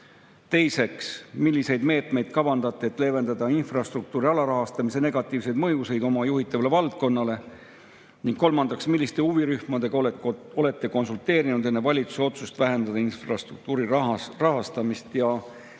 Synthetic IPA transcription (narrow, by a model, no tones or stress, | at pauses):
t̪e̞jse̞ksmilʲːise̞jd̪̥me̞ːt̪ˑme̞jd̪̥̚kɑvɑnd̪̥ɑt̪ˑːeːt̪ːˑle̞ve̞nd̪ɑd̪ɑinfrɑst̪ruk̚t̪uːɾiɑlɑɾɑɦɑst̪ɑmise̞ne̞ɡ̥ɑt̪ːˑiːvse̞jd̪mɤjuse̞jd̪̥o̞mɑjuɦit̪ːˑɑvɑle̞vɑlt̪̚ko̞nːɑle̞ | niŋkkːo̞lmɑnd̪̥ɑksmilːist̪e̞uviɾyhmɑd̪e̞ɡ̥ɑ | o̞le̞t̪ːˑe̞ko̞nsult̪ːe̞ːɾinud̪e̞nːe̞vɑlʲit̪su̥seo̞t̪sust̪væɦe̞nd̪ɑd̪ɑinfrɑst̪ruk̚t̪uːɾirɑrɑɦɑst̪ɑmist̪jɑ